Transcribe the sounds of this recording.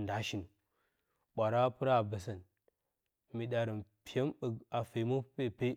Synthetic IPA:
nda˨˦ʃi˨nu˨ | ɓʷa˨ɾa˦pɨ˦ɾa˦˨bə˨s̬ə˨n | mi˨ɗa˨ɾə˨mpi˦ja˦mbə˨ɡa˨fe˨˦mə˦pe˦˨pe˦

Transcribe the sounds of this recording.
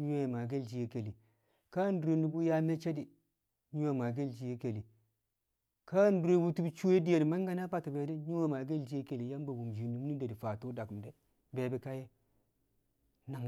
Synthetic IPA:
ɲu˦we˦˨ma˨ɡe˦ld͡ʒi˨je˦ke˨li˨ | ka˦n˦du˨e˨ndi˦bu˦ja˦me˦t͡ʃe˦di˨ | ɲu˦wa˨ma˨ɡe˦ld͡ʒi˨je˦ke˨li˨ | ka˦n˦du˨ɾe˨˦bu˦tu˦bt͡ʃu˦e˦di˦je˨di˨ma˦ŋ˦ɡa˦na˦ba˦to˨be˨˦de˦ɲu˦wa˦ma˨ɡe˦ld͡ʒi˦je˦ke˨li˨ja˦m˦bo˨bu˨md͡ʒi˨ni˨mu˦ni˦de˨di˨fa˨to˦da˨km˨de˦ | be˨be˨ka˦je˦ | na˨ŋ

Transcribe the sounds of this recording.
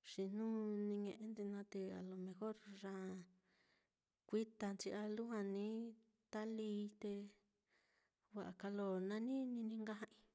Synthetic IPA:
ʂi˨n̥nũː˦nĩ˧ɲẽ˧ʔe˧˦nd̪i˧nã˧t̪e˧a̰˨lo˨mẽ˧xo˦ɾʐã˧ | kʷi˦t̪a˧nt͡ʃi˧a˧lu˦ɦã˧nĩ˦ | t̪a˦liː˧˦t̪e˧ | βa˨ʔa˨ka˧lo˧nã˧nĩ˦nĩ˧nĩ˧ŋɡa˦hã˧ĩ˧

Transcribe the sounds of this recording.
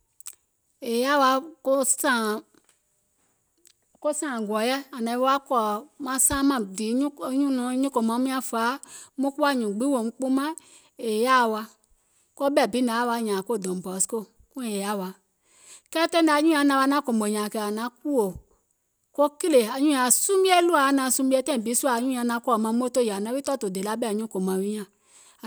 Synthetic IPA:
e˨ja˦˨wa˧˦ko˦sã˦˨ | ko˦sãː˨ɡɔ˨˦jɛ˦a˨nã˨˦a˦kɔ˨mã˧˦sãː˦mã˨di˨˦ɲ˦ɲũ˦nũ˨˦ɲũ˦ko˨mã˨˦mĩ˦ã˧faː˨˦mõ˦ku˦a˦˨ɲũ˨ɡ͡bi˨˦wo˨ŋ˦k͡po˦mã˦ | e˨ja˦˨wa˧ | ko˦bɛ˦˨bi˨˦na˨˦wa˧˦ɲã˨ko˦˨do˨m˨bɔ˨˦sko˦˨ | kũ˦˨e˨ja˦˨wa˨ | kɛ˦tɛ˦da˨ɲũ˦ã˧˨˦nã˧wa˧nã˦ko˨m˨o˨ɲã˨kɛ˨a˨nã˨˦k̚u˦o˨ | ko˦ki˦le˨a˨ɲũ˦a˨sũ˦m˦bi˦ɛ˦lu˦a˨˦nã˧˨su˧˦bi˦ɛ˧˦tɛ̃˦˨bi˨˦su˦a˨ɲũ˦a˧nã˧˦kʷɔ˦˨mã˧˦m˦o˦to˦˨ja˨nã˨˦bi˦tɔ˦to˨de˨la˨˦bɛ˦˨ɲũ˦ko˨mã˨wi˦ɲã˨

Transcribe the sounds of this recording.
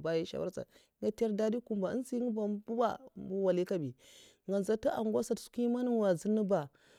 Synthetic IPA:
ba˦ji˦ʃa̰˨wa̰˦t͡sa̰˨˦ | ŋa˦te˦ɾda˦di˦ku˦˨mba˨ə̰˦n˦si˦ŋə˦ba˨bu˦ba̰˦mbu˦wa˨li˦ka˦bi˨ | ŋɡa˨n˨za˦ta˦ʔa̰˨ŋɡʷa˦sa˦tsu̥˦ki˦ma˦ni˦˨wa˨zi˦nːə˦ba˨

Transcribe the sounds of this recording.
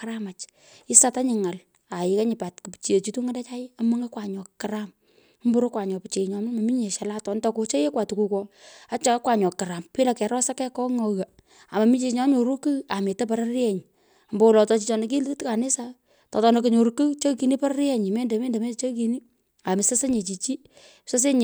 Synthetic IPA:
ka˦ɾa˦ma˨t͡ʃ | i˦sa˦ta˦ɲɪ˨ŋa˨l | a˨jɪ˦ka˦ɲɪ˨pa˨tku˨pt͡ʃi˨e˨t͡ʃi˦tu˦ŋa˦ndɛ˦t͡ʃa˦ɪ˦a˦mo˦ŋa˦kwa˨ɲɔ˨kːa˨ɾa˦m˦ | mbu˦ɾo˦kwa˨ɲɔ˨pi˨t͡ʃe˨ɲɔ˨mɪ˦ma˨mi˦ɲe˨ʃa˨la˦tɔ˨ntɔ˧ko˦t͡ʃe˦je˦kwa˨tu˨ku˨kɔ˦a˦t͡ʃa˦ka˦kwa˨ɲɔ˨kːɪ˨ɾa˨mpi˦la˨kɛ˨ɾɔ˦sa˦kɛ˦kɔ˦ŋɔ˨ɣa˨ | a˨ma˨mi˦ɲe˨ɲa˨˦ɲo˨ɾu˦kɨ˦a˨me˨ta˦p̬a˨ɾa˦ɾɛ˨ɲ | a˨mbɔ˦wlɔ˨tɔ˨t͡ʃi˨t͡ʃɔ˨ne˨k̬i˦ltka˨nɪ˦sa˦ | tɔ˨tɔ˦nek̬o˨ɲo˨ɾu˨ku˦t͡ʃo˦ki˨ni˦pa˦ɾa˦ɾɛ˦ɲi˨me˦nde˨mɛ˦nde˨mɛ˦t͡ʃo˦ki˨ni˦ | a˨mɪ˨sa˦se˦ɲe˨t͡ʃi˨t͡ʃi˦ | sa˦s̬e˦ɲ

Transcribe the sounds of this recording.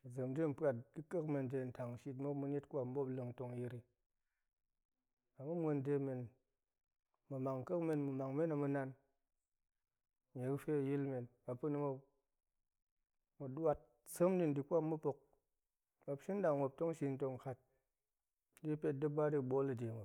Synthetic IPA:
d͡zɨ˨mde˦m̩˨˦pa˨t̚di˦kə˦kme˧n˨d͡ʒe˧˨n̩˨ta˨ŋ˨ʃi˧tmo˦mu˧n˦e˦tkʷa˦m̩˦bo˦plɨ˧ŋ˦to˧ŋji˧ɾi˦ | a˨mu˦m˦o˧n˦de˧me˨n | mɨ˨ma˨ŋ˨kə˦kme˧nmu˨ma˨ŋme˦na˨mu˧na˧n˨ | ɲe˨ɨ˦fe˦a˨ji˦lme˨nma˨pɨ˦ni˧mo˧ | mu˨ɗwa˧t̚ | so˦mdi˦n̩˨di˨kʷa˦mː˦u˦po˧k̚ | ma˧pʃi˦n̩˦da˨ŋʷ˨o˨p̚to˦ŋ˦ʃi˧n̩˦to˧ŋ˨ka˦t̚ | di˦pʲe˦t̚dɨ˦ba˦di˧˨ɓo˦lɨ˨de˨ŋʷo˨

